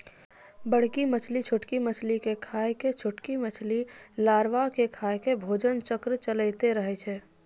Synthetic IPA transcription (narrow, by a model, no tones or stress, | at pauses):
bəɽ̤kimət͡ʃʰlit͡ʃʰʊʈkimət͡ʃʰlikekʰaːjket͡ʃʰʊʈkimət͡ʃʰlilaːɾʋakekʰaekebʱoːd͡ʒənt͡ʃəkɾt͡ʃələɪt̪eɾəɦɛt͡ʃʰɛː